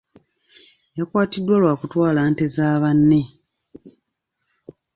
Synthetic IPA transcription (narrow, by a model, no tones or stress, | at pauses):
jakwaːtidːwalwaːkutwaːlaːnte̞zaːβanːe̞